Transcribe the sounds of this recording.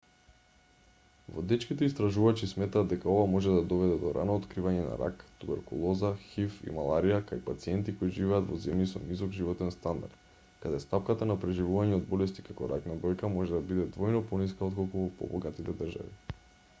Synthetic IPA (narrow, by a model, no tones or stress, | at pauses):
vɔ̰d̪ɛt͡ʃkit̪ɛist̪ɾaʒuvat͡ʃismɛt̪aːd̪d̪ɛkaovamɔʒɛd̪ad̪ɔvɛd̪ɛd̪ɔɾa̰noːt̪kɾivaɲɛna̰ɾa̰kt̪ubɛɾkṵlˠɔzaxifḭmalˠaɾijakajpat̪siɛnt̪ikojiʒivɛad̪vɔzɛmjisɔnizɔɡʒivɔt̪ɛnst̪and̪a̰ɾt̪ | kad̪ɛst̪ap̚kat̪anapɾɛʒivuvaɲɛod̪̚bɔlɛst̪ikakɔɾaknab̪ɾɔjkamɔʒɛd̪abid̪ɛd̪vɔjnɔpɔniskaot̪kolˠkuvɔpɔ̰bɔɡat̪it̪ɛd̪ərʒa̰vḭ